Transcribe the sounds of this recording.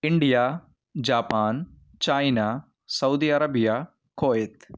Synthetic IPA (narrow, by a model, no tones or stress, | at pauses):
iɳɖijaː | d͡ʒaːpaːn | t͡ʃaːjna | sɐwd̪iɐɾɐbija | koːet̪